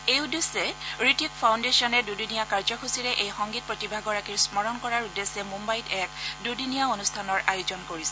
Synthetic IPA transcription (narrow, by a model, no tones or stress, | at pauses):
ewdusɛɹitikpʰawndesɔnɛdudunijakaɹzɔxusiɹɛʔejxɔŋɡit̚pɹotibʱaɡɔɹakiɹsmɔɹɔnkɔɹaɹudesɛmũmbajtɛkdudunijaonustʰanɔɹʔajozɔnkoɹisɛ